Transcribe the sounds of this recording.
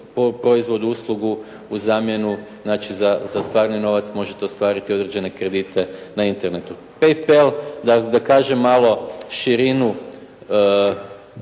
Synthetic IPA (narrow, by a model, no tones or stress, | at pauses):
popɾo̞izʋo̞d̪uuslˠuɡu | uzaːmje̞nuznaːt͡ʃizazast̪ʋaːɾnino̞ʋat̪smo̞ʒet̪eost̪ʋaːɾit̪io̞d̪ɾed͡ʑenekɾe̞d̪it̪ʰe̞naint̪e̞ɾnet̪u | pejpelˠd̪ad̪akaːʒemːalo̞ʃiɾinu